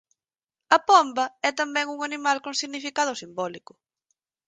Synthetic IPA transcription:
ɐpɔmbɐɛt̪ambɛŋuŋanimalkoŋsiɣnifikað̞ʊsimbɔlikʊ

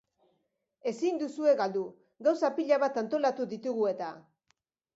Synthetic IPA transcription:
e̞sind̪usue̞ɣald̪u | ɡawsapiʎaβat̪ant̪o̞lat̪uðit̪uɣue̞t̪a

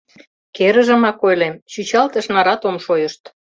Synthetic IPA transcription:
keɾə̆ʒə̆mɑkojlemt͡ɕyt͡ɕɑlt̪ə̆ʃnɑɾɑt̪omʃojəʃt̪

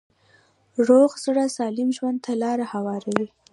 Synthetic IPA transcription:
ʐoɣzɽasɑlɪmʒwand̪̚t̪ʰalɑɾahawɑɾawi

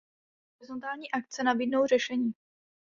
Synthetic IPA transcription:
ɦoɾɪzo̞nt̪aːlɲiːʔak̚tt͡sɛnabiːdno̞wrɛʃɛɲiː

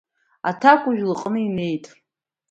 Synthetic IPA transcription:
a̰tʰakʷʰʼʊʒᶣlɨqʼnɨime̞jtʼ

